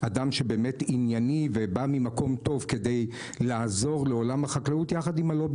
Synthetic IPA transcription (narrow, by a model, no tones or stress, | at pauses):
adamʃe̞beːmetinjanivebamimako̞mto̞vke̞de̞j | laːzo̞ʁleo̞lamhaχaklautjaχadimalo̞b